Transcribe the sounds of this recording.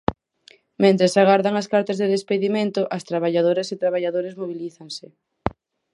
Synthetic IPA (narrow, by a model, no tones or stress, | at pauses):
mẽnt̪ɾesaɣaɾðaŋɐskaɾt̪azðeðespeðimẽnt̪ʊʔɐst̪ɾaβaʎað̞oɾeset̪ɾaβaʎaðoɾezmoβiliθaŋsɪ